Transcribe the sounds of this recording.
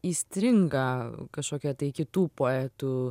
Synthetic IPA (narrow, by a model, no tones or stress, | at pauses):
iːsʲt̪ʲɾʲɪŋɡɑkɐʃkoːkʲɛt̪ɐɪkʲɪt̪uːpoːɛːt̪uː